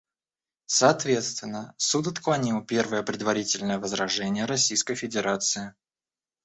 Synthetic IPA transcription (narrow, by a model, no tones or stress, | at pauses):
səɐt̪vʲe̞t̪st̪vʲɪnːəsut̪ɐt̪klˠɐnʲilˠpʲe̞rvəjəpɾʲɪd̪vɐɾʲitʲɪlʲnəjəvəzɾɐʐɛnʲɪjəɾɐsʲijskəjfʲɪdʲɪɾat̪sɨɪ